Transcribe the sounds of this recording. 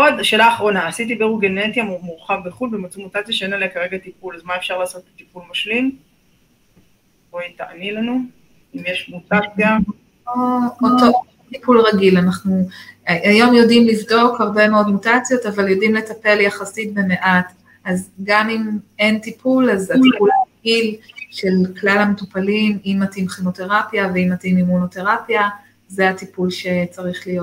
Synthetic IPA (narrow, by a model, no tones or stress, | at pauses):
odʃeːlaːχʁo̞naːsit̬ibeʁuɡenetjammuʁχavbeχulbemat͡sumutat͡sjaʃeenalekaʁe̞ɡat̪ipulazmaefʃaʁlaːso̞t̪̚bet̪ipulmaʃlim | ʁoitaʔanilanu | imjeʃmutat͡sja | ooo | tipulʁaɡilanaχnuajo̞mjo̞dimlivdo̞khaʁbe̞meo̞dmutat͡sjo̞tavaljo̞dimle̞tape̞ljaχasit̚be̞me̞ʔat | azɡamime̞ntipʰulazatipulaʁaɡilʃe̞lklalametupalimimːatimχino̞te̞ʁapjaveimːatimimuno̞te̞ʁapja | zeatipulʃe̞t͡saʁiχlijo